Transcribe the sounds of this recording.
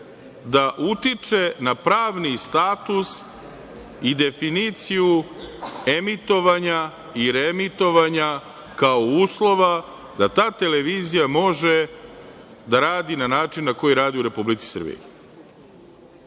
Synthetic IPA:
d̪aʔut̪it͡ʃe̞napɾaːʋnist̪aːt̪us | id̪e̞finit̪siju | e̞mit̪o̞ʋaɲa | iɾemit̪o̞ʋaɲa | kaouːslˠo̞ʋa | d̪at̪aːt̪e̞le̞ʋiːzijamo̞ʒe | d̪aɾaːd̪inanaːt͡ʃinːako̞jiɾaːd̪iuɾe̞publit̪si̥sr̩bḭjṵ

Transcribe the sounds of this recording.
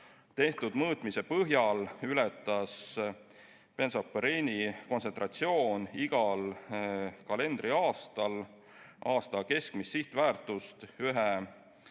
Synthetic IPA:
t̪e̞ht̪ud̪̥mɤːt̪ˑmise̞pɤɦjɑlylɛt̪ˑːɑs | pe̞nsopːeɾinʲiko̞nse̞nt̪rʔɑt̪sio̞ːniɡ̥ɑl | kɑle̞nd̪ɾiɑːst̪ɑl | ʔɑːst̪ɑke̞skmisːiht̪væːrt̪ːˑust̪yɦe

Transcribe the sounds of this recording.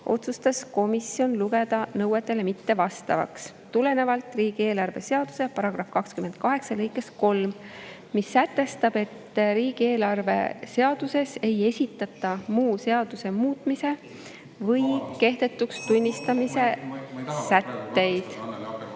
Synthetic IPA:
ʔo̞̰t̪sust̪ɑsko̞misijo̞nluɡe̞d̪̥ɑnɤwet̪ːˑe̞le̞mit̪ːe̞vɑst̪ɑ̰vɑ̰ks | t̪ule̞ne̞vɑlt̪ˑriːɡ̥ie̞ːlɑrve̞̰se̞ɑd̪̥u̥se̞pɑɾɑɡ̥rɑfkɑkskyme̞nd̪̥̚kɑɦe̞ksɑlɤjkːˑesko̞lmː | isːæt̪ːˑe̞st̪ɑb̥e̞t̪ːɾiːɡie̞ːlɑrve̞̰se̞ɑd̪̥use̞se̞je̞sʲit̪ːˑɑt̪ːˑɑmuːse̞ɑd̪̥use̞muːt̪ˑmise̞ | vɤjke̞hd̪̥e̞t̪ːˑukst̪unʲːist̪ɑmise̞ | sæt̪ːe̞jd̪̥

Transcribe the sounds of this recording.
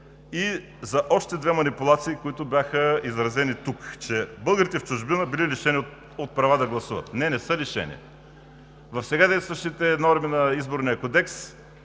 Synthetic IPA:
i | zɐʔɔʃt̪ɛd̪vɛmɐnipulˠat̪siːkʊit̪ʊbʲjaxəizɾɐzɛnit̪ukt͡ʃɛbɤlˠɡəɾit̪ɛft͡ʃʊʒbinəbililiʃɛni | ot̪̚pɾɐvad̪ɐɡlˠɐsuvɐ̰t̪nɛnɛsəliʃɛ̰nḭ | vɐfsɛɡad̪ɛjst̪vɐʃt̪it̪ɛnɔɾminɐizboɾnijəkod̪ɛks

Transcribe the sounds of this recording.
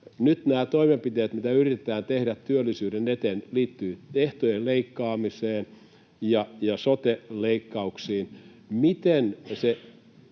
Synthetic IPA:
nyt̪næːt̪oimempit̪eːt̪mit̪æyrit̪et̪æːnt̪ehɾæt̪t̪yølːisyːɾenet̪enliːt̪ːyːeht̪ojelleikːɑːmiseːn | jɑjɑsot̪eleikːɑuksiːn | mit̪ense

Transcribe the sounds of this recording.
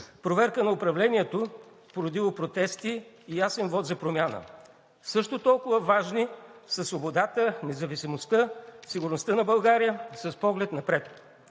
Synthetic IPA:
pɾovɛɾkənɐʊpɾɐvlɛnʲiɛt̪ospoɾod̪ilˠopɾot̪ɛst̪iː | jasɛnvɔt̪zɐpɾomʲjanə̰ | sɤʃt̪ot̪ɔlˠkʊvəvaʒnisɐsvobod̪at̪ənɛzɐvisimost̪əsiɡʊɾnost̪ənɐbɐlˠɡaɾijəsɐspɔɡlɛt̪nɐpɾɛt̪

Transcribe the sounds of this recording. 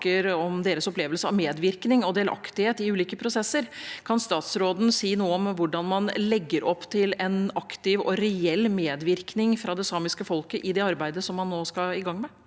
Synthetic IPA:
kəɾɔmd̪eːɾəsɔpleːʋəlsəɑ̰ʋmeːd̪ʋɪɾknɪŋɔd̪eːlʔɑ̰kt̪ɪheːt̪ɪʉːliːkəpʰɾʊsɛsːəɾkʰɑnst̪ɑːt̪sɾoːd̪n̩siːnuːəɔmʋʊɖɑnmɑnlɛɡːəɾɔpːt̪ʰɪlɛnɑkt̪ɪʋɔ̰ɾɛɛlːmeːd̪ʋɪɾknɪŋfɾɑd̪ɛsɑːmɪskəfɔlkəʔɪd̪ɛɑɾbæɪd̪əsɔmːɑnːoːskɑɪɡɑŋːmɛ

